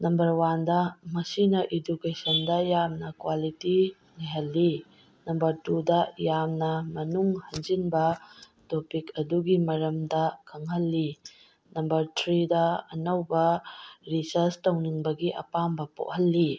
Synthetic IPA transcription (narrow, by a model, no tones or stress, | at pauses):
nɐmbɐɾwandɐmɐsinɐʔidukesɐndɐjamnɐkwaliti | niɦɐlːi | nɐmbɐɾtudɐjamnɐmɐnuŋhɐnd͡ʒinbɐ | topikɐduɡimɐɾɐmdɐkʰɐŋhɐlːi | nɐmbɐɾtʰɾidɐɐnɐwbɐɾisɐɾstɐwniŋbɐɡiʔɐ̰pambɐpo̰ʔ̚hɐlːi